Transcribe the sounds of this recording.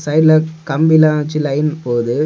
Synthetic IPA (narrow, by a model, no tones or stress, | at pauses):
sɐɪlɐkɐmbɪlaːt͡ʃilɐɪnpoːðɯ